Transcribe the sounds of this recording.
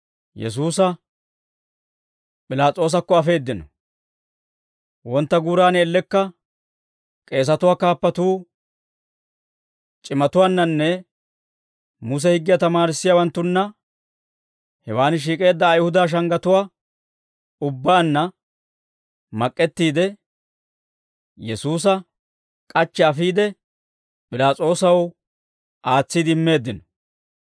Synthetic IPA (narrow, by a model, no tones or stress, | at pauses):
jɛ̰s̬uːsɐ | pʼɪlaːt͡sʼo̞ːs̬ɐkːɔɐfe̞ːd̪ːɪnɔ̰ | wɔnt̪ːɐɡuːɾaːnɛlːɛkːɐ | kʼe̞ːs̬ɐt̪ʊwaːkaːpːɐt̪uː | t͡ʃʼɪmɐt̪ʊwaːnːɐnːɛ | mʊs̬ɛhɪɡːɪjat̪ɐmaːɾɪsːɪjawɐnt̪ːʊnːɐ | hɛwaːnɪʃ̬iːkʼe̞ːd̪ːɐːjhʊd̪aːʃ̬ɐŋɡɐt̪ʊwaː | ʊbːaːnːɐ | mɐkʼːɛt̪ːiːd̪ɛ | jɛsuːs̬ɐ | kʼɐt͡ʃːɛɐfiːd̪ɛ | pʼɪlaːt͡sʼo̞ːsɐw | ʔaːt͡sːid̪ɪɪmːe̞ːd̪ːɪnɔ̥